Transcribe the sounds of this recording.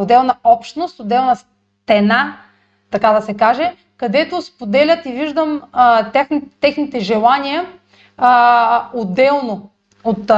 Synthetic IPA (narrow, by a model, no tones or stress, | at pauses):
od̪ɛlˠnɐɔpʃt̪nost̪od̪ɛlˠnɐs | t̪ɛna | t̪ɐkad̪ɐsɛkaʒɛ | kɐd̪ɛt̪ospod̪ɛlʲət̪iviʒd̪əmt̪axnt̪ːɛxnit̪ɛʒɛlˠanʲijə | od̪ɛlˠno | ot̪